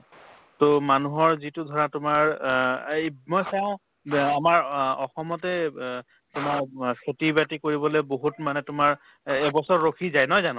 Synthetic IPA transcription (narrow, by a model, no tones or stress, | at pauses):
tomanuɦɔɹzitʊdʱɔɹatʊmaɹ | mɔjsaʊ̃ | amaɹɔxɔmɔtɛ | tʊmaɹkʰetibatikoɹibɔleboɦutmanɛtʊmaɹ | ɛbɔsɔɹːokʰizajnɔjzanʊ̃